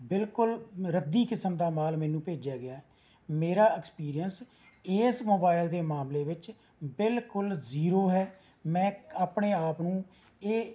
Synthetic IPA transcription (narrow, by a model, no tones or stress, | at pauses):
bɪlkʊlɾəd̪iːkɪsəmd̪aːmaːlmɛːnũːpeːd͡ʒaːɡɪaːɛ | meːɾaːɪkspiːɾijəns | eːsmoːbaːɪld̪eːmaːmleːʋɪt͡ʃ | bɪlkʊlziːɾoːɦɛː | mɛ̃ːaːpɳeːaːpnũː | eː